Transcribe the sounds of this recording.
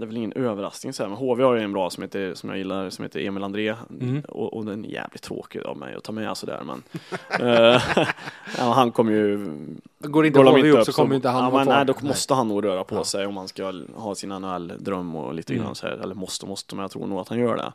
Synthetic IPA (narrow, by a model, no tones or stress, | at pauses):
d̪ɛvɪlɪŋːənøːvəɾa̰sknɪŋsɔhæːɾmɛnɦoːveːhaɾjəɛnbɾɑːsɔmheːt̪əsɔmja̰jɪlːaɾsɔmhḛːt̪əɾeːmɪland̪ɾeːɔɔd̪ɛjɛ̰ːvlɪt̚t̪ʰɾo̰ːkɪa̰vmɛ̰jɔ̰t̪ʰɑːmɛ̰sɔd̪æ̰ːɾmɛ̰n | nɛ̰mɛnɦankʰɔmːəjɵ | ɡoːɾɪɡ̪oːd̪mɪnəɵsɔmːəjɪnt̪əaamɛnːɛɪd̪ɔmɔst̪əɦanːuːɡɾøːɾapʰɔsɛjɔmhanskahɑːsɪnanʉɛlːd̪ɾœmːʊ̰liːt̪ʰəɡɾa̰nːsɔæ̰ɛ̰lːəɾmɔst̪əmɔst̪əmɛnjat̪ʰɾṵːnuːɡat̪hanjœːɖɛ̰